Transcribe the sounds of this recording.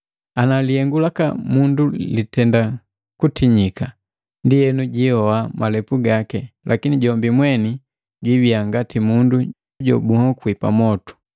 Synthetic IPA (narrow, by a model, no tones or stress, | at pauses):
analijɛŋɡulaka̰mundulitɛnda | kutiɲika | ndijɛnuɟihɔamʔalɛpuɡakɛlʔakiniɟɔmbimwɛni | ɟwiviaŋɡatimundu | ɟɔ̰buhɔkwipa̰mɔtu̥